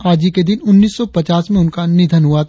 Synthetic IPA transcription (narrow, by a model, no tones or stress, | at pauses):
aːd͡ʒiked̪ɪnʊnːiːsːɔpɐt͡ʃaːsmẽʊnkanɪd̪ʱənɦuat̪ʰ